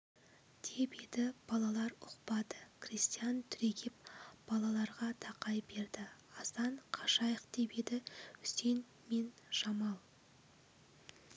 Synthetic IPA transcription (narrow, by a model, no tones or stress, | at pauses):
d̪̥e̞bed̪ɪb̥ɑlˠɑlˠɑɾʊqpɑd̪ə̥kʰrist̪ijant̪ʰʏɾe̞ɡʲɪp̚b̥ɑlˠɑlˠɑɾʁɑt̪ʰɑqɑjbe̞ɾd̪ɪɑsɑɴqʰɑʃɑjəqd̪e̞bed̪ɪʏsen | me̞nʃɑmɑlˠ